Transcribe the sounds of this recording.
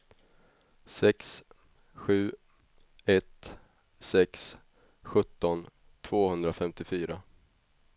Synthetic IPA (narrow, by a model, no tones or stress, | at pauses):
sɛks | ɧʉ̟ː | ɛt̪ | sɛks | ɧɵt̪ːɔn | t̪ʰv̥oːhɵnd̪ɾafɛmt̪ɪfyːɾa